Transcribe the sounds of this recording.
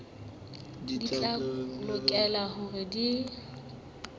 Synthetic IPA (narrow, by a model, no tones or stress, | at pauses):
dit͡ɬʼalʊkʼɛlahʊrɪdi